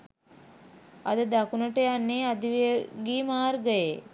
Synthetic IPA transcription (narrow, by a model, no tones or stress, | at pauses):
ɐd̪əd̪akunəʈəjanːeːad̪iʋijəɡiːmaːɾɡəje